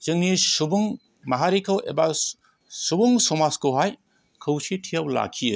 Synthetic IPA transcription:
zɯŋnisubuŋ | maɦaɾikʰawḛba | subuŋsɔmaskɯwɦaj | kʰɯwsitʰijawla̰kʰijɯ

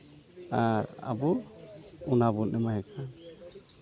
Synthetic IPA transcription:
aɾa̰bɔɾunabɔnɛmaɦɛkʰan

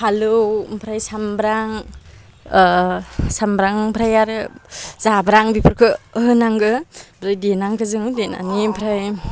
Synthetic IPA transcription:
pʰalɯwmpʰɾajsambɾaŋ | sambɾaŋmpʰɾajaɾɯz̥abɾaŋbipʰɯɾkʰɯəɦɯnaŋɡɯpʰɾajdenaŋkʰɯzɯŋdena̰nimpʰɾaj

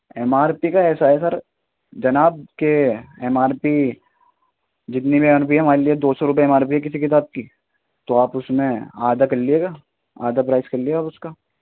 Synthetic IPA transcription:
ɛmaːɾpikaɛːsaɦɛsɐɾ | d͡ʒɐnaːb̚keɛmaːɾpi | d͡ʒɪt̪nibiɛmaːɾp̬iɦɐmaːɾelied̪oːsɔɾʊp̬eɛmaːɾp̬iɦɛk̬ɪsikɪt̪aːb̚ki | t̪oaːpʊsmẽaːd̪akɐɾlieɡaː | a̰ːd̪apɾaːɪskɐɾlieɡaːpʊskaː

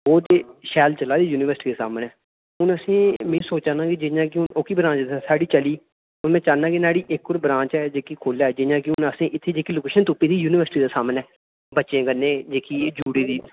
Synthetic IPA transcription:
oːd̪eːʃɛːlt͡ʃəlaːd̪iːjuːnɪʋəɾsʈiːd̪eːsa̰ːmənɛː | ʊnəsĩːmĩːsoːt͡ʃãːnãːkid͡ʒɪɲãːkɪʊnoːkiːbɾãːt͡ʃd̪saːɽiːt͡ʃəliː | ʊnmɛ̃ːt͡ʃaːnãːkinaːɽiːʔɪkːʊɾbɾãːt͡ʃɛːd͡ʒeːkiːkʰoːlaːɛd͡ʒɪɲãːk̬ɪʊnəsĩːʔɪt̪ʰːeːd͡ʒeːkiːloːkeːʃənt̪uːpːiːd̪iːjuːnɪʋəɾsʈiːd̪aːsaːmənɛː | bətːʃẽːkənːẽːd͡ʒeːkiːd͡ʒuːɽiːd̪iː

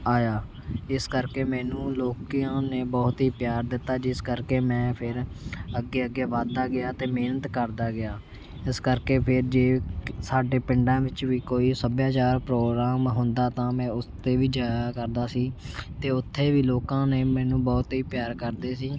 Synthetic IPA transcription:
aːjaː | ɪskəɾkeːmɛːnũːloːkijãːneːbɔːt̪ɦiːpjaːɾd̪ɪt̪ːaːd͡ʒɪskəɾkeːmɛ̃ːpʰɪɾ | əɡːeːəɡːeːʋaːd̪aːɡɪjaːt̪eːmeːnət̪kəɾd̪aːɡɪjaː | ɪskəɾkeːpʰɪɾd͡ʒeːsaːɖeːpɪɳɖãːʋɪt͡ʃʋiːkoːiːsəbjaːt͡ʃaːɾpɾoːɡɾaːmɦʊnd̪aːt̪ãːmɛ̃ːʊst̪eːʋiːd͡ʒaːjaːkəɾd̪aːsiːt̪eːʊt̪ʰːeːʋiːloːkãːneːmɛ̃ːnũːbɔːt̪ɦiːpjaːɾkəɾd̪eːsiː

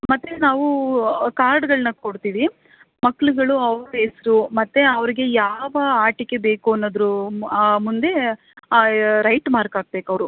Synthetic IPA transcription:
mɐt̪ːenaːʋukaːɾɖɡɐɭnɐkoɽt̪iːʋi | mɐkːɭuɡɐɭuɐʋɾuesɾumɐt̪ːeɐʋɐɾiɡe̞jaːʋɐaːʈikːe̞be̞ːkuɐnːoːd̪ɐɾu | mund̪e̞ | ɾɐjʈmaːɾkaːɡ̚be̞ːkɐʋɐɾu

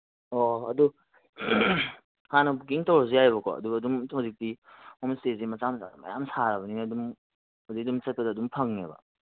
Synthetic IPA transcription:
oɐ̰du | hanɐbuk̬iŋtɐwɾɐzejajβɐko̰ɐ̰duɡɐːdumhuzik̚diomstezimɐt͡ʃamsa̰mɐ̰jamsaɾɐbɐninɐdum | udiɐdumt͡ʃɐt̚pɐdɐːdumpʰɐŋnḛbɐ̰

